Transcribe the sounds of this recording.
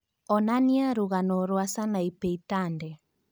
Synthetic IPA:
ɔnaniaɾuɣanɔɾoasanajpejtandɛ

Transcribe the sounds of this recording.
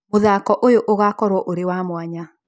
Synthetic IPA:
moðaːkɔʔojoʔoɣakɔɾwɔʔoɾewamwaɲa

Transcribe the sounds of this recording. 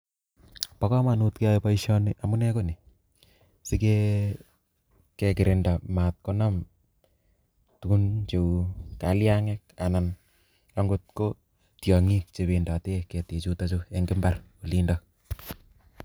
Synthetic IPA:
pakɔmanutkeajpaiʃɔnɪʔamunɛkoni | sike | kekɪɾɪndamat̚kɔnɔm | tukunt͡ʃekaliaŋɛk̚anan | aŋɡot̚ko | tjɔŋik̚t͡ʃeβendatekɛtet͡ʃutat͡ʃoeŋɡɪmbarolindɔk

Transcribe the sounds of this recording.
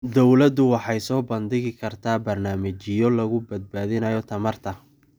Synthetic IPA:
d̪ɔwlɐd̪ʊwɑħɑjsɔːbɐnd̪ɪɣɪkʰɐrt̪ʰaːbɐrnaːmɐt͡ʃɪjɔlɐɣʊbɐd̪̚baːðɪnɐjɔt̪ʰɐmɐrt̪ʰɐ

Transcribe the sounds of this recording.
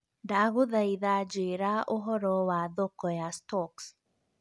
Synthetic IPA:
daːɣuðaiðaːd͡ʒiɾaʔoɦɔɾɔwaðɔkɔjastɔks

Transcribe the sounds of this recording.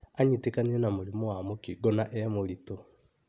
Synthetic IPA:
aɲitekaniɾɛnamoɾimɔwamokiɡɔnaʔɛmoɾitɔ

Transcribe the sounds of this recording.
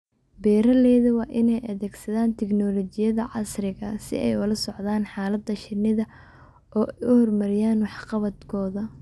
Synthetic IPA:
bɛːɾɐlɛːðɐwɑːʔɪnɛjʔɐðɛːɡsɐðaːnt̪ʰɛknɔːlɔːt͡ʃɪjɐðɐʕɑsrɪɣɐsɪ̰ʔɛ̰jʊlɐsɔʕðaːnħɑːlɐd̪ɐʃɪnɪðɐ | ʔɔːʔɛjʔʊhɔrmɐɾɪjaːnwɑħqɑβɐd̪kʰɔːðɐ

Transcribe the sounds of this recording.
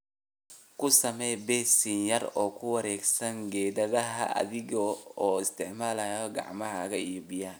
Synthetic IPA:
kʰʊsɐmɛjbɛːsɪnjɐrɔːkʰʊwɐɾɛːɡsɐŋɡɛːðɐðɐɦɐ̰ʔɐ̰ðɪɣɔɔːɪst̪ʰɪʕmaːlɐjɔɡɑ̰ʕmɐɦɐɣɐijɔbɪjaːn

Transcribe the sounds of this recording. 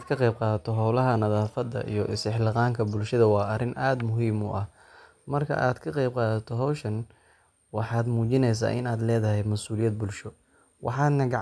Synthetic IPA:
d̪kʰɐqɛjb̚qɑːðɐt̪ʰɔɦɐwlɐɦɐnɐðaːfɐd̪ːɐ̰ʔḭjɞʔɪsɪħlɑqɑːŋkʰɐbʊlʃɐðɐwɑːɐrɪnʔaːd̪mʊɦiːmʊ̰ʔɐh | mɐrkʰɐ̰ʔaːd̪kʰɐqɑjb̚qɑːðɐt̪ʰɔɦɔwʃɐn | wɑħɑːd̪muːt͡ʃɪnɛjs̬a̰ːʔɪ̰naːd̪lɛːðɐɦɛjmɐsuːlɪjɐd̪̚bʊlʃɔ | wʔɑ̰ħɑːd̪nɐɡɑʕ

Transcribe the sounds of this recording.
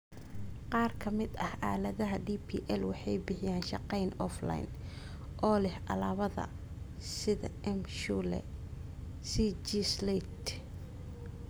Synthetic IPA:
qɑːrkʰɐmɪd̪ɐhʔa̰ːlɐðɐɦɐɖiːpʰḭːʔɛlwɑħɑjbɪħɪjaːnʃɑqɛjnɔfla̰jn | ʔɔːlɛhʔɐ̰laːβɐðɐ̰ | sɪðɐ̰ɛmʃulɛ̰ | sid͡ʒislɛt̪

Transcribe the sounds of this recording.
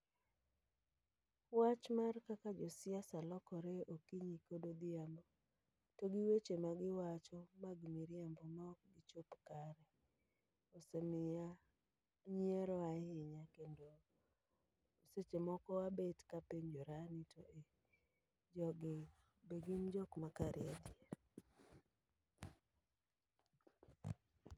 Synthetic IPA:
wat͡ʃmarkakad͡ʒɔsɪasalɔkɔɾeokiɲikodod̪ɪambo | toɡiwet͡ʃemaɡɪwat͡ʃɔmaɡmiɾjambɔmɔkɡɪt͡ʃopkaɾɛ | osemɪja | ɲieɾɔahɪɲakendo | oset͡ʃemɔkɔabetkapeɲd͡ʒoɾanitʰoʔe | d͡ʒɔɡɪ | beɡimd͡ʒɔkmakaɾɪ̰adieɾ

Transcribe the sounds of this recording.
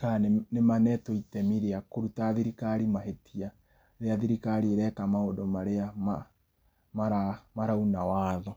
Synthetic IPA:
kannemanɛtoitɛmiɾeakoɾutaðiɾikaɾimaɦetʰia | ɾeaðiɾikaɾieɾɛkamaodomaɾeama | maɾamaɾaunawaːðɔ

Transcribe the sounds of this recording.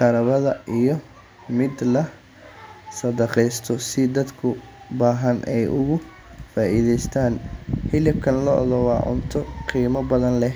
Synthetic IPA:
qɐɾɐβɐðɐʔijɞ | mɪd̪lɐ | sɐd̪ɐqɛjst̪ʰɔsɪd̪ɐd̪kʰʊ | baːɦɐnʔɛjʔʊɣʊ | faːʔiːðɛjst̪ʰaːnħɪlɪb̚kʰɐnlɔʔðɔwɑːʕʊ̰nt̪ʰɔqiːmɐbɐðɐnlɛ

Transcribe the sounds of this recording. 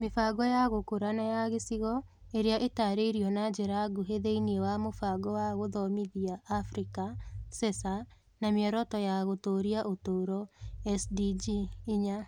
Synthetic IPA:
mefaɡɔjaɣokoɾanajaɣesiɣɔ | eɾeaʔetaːɾeiɾiɔnad͡ʒeɾaɡuɦeðeiniewamofaɡɔwaɣoðɔmiðiaːfɾikasɛsa | namjɛɾɔtɔjaɣotoːɾiaʔotoːɾɔɛsdid͡ʒiːɲa

